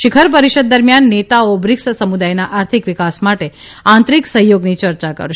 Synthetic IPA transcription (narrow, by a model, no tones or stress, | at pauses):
ʃɪkʰəɾp̬əɾiʃəd̪̚ːəɾmjanːet̪aobɾɪkssəmud̪ajnaʔaɾt̪ʰikʋɪkasmaʈe | ãnt̪ɾiksəɦjoɡnit͡ʃəɾt͡ʃakə̰ɾʃ